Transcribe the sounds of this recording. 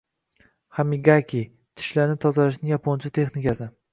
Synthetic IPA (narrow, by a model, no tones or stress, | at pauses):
χamiɡakʲi | t̪ʰɪ̥ʃlaɾnɪt̪ʰɒzalaʃnɪŋjapʰont͡ʃʰɪt̪ʰe̞xnɪkʲasɪ